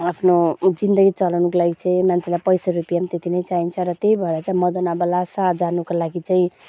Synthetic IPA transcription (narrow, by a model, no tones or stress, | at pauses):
apʰnod͡zind̪ʌɡit͡sʌlanukolaɡit͡sʰʌĩmant͡sʰelapʌjsaɾupijamt̪et̪ʰinʌjt͡saint͡sʰʌɾʌt̪eibʱʌd̪at͡saĩmʌd̪ʌnabʌlasad͡zanukolaɡit͡saĩ